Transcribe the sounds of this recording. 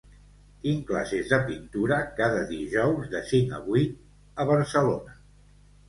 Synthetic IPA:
t̪iŋkla̰sezðəpint̪uɾəkaðəðiʒɔwzðəsiŋə̰βui | əβ̞əɾsəlonə

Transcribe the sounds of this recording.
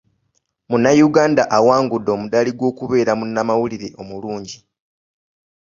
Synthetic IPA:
munːajuɡaːndaʔawaːŋɡudːo̞ːmudaliɡwo̞ːkuβe̞ːɾamunːamawuliɾeʔo̞muluːɲɟi

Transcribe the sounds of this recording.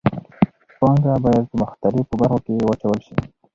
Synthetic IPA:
pɑŋɡabɑjad̪̚pəmʊxt̪alɪfpəbaɾxokejwat͡ʃawəlʃḭ

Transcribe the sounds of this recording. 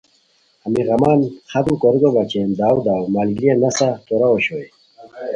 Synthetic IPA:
amiɣamaːnχat̪mkoɾiɡobat͡ɕend̪aːwd̪aːwmalɡɾienasat̪oɾaoɕoj

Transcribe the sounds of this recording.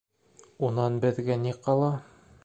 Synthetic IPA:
unɑnbɘ̆ðɡæniqɑlˠɑ

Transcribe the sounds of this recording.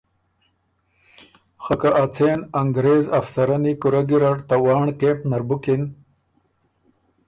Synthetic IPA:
xɐkaʔːt͡sʰeːnɐŋɡɾeːzɐfsɐɾɐnikuɾaɡiɾaʈt̪awaːɳkeːmpnɐɾbukin

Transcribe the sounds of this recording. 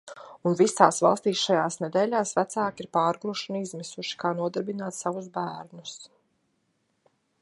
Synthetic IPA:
unvisaːsvɑ̰lˠst̪iːsʃajaːsnɛd̪eːlʲaːsvæt̪saːkiɾpaːɾɡɾuʃunizmisuʃi̥kaːnuɔd̪aɾbinaːt̪savuzbæːɾnus

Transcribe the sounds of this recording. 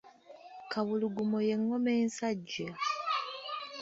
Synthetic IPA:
kaβuluɡumo̞je̞ŋːo̞me̞ːnsaɟːa

